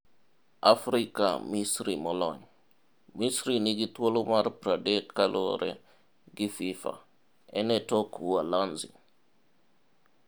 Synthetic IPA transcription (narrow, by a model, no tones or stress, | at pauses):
afɾika̰misɾimɔlɔɲ | misɾiniɡitwolomarpɾadetkaloɾɛ̰ | ɡɪfifa̰ | ɛnɛtokwwalanzḭ